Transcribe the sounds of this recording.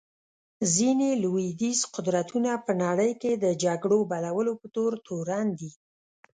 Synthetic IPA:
zineluwid̪isqʊd̪ɾat̪unapənaɽəjked̪əd͡ʒaɡɽobalawəlopət̪oɾt̪oɾand̪i

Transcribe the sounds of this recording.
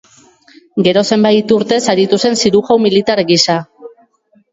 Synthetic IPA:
ɡe̞ɾo̞se̞mbajt̪uɾt̪e̞saɾit̪use̞nsiɾuɣawmilit̪aɾɣisa

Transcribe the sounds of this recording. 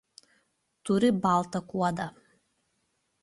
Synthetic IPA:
t̪ʰuɾibaːlˠt̪ʰakʷuwad̪a

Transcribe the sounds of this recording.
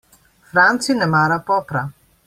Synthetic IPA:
fɾant̪sinɛmaɾapɔpɾa

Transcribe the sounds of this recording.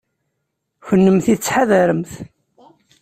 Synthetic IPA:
çənːəmθiðət͡sːħaðæɾəmθ

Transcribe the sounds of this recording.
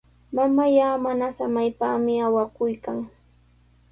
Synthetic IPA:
mamajaːmanasamajpaːmɪawakʊjkaŋ

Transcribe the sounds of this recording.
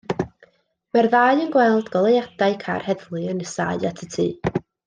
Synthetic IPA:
marðaːjənɡwɛlˠdɡ̥ɔlˠejad̥aɨkʰa̰rhɛðlˠɨənəsa̰ɨatʰətʰiː

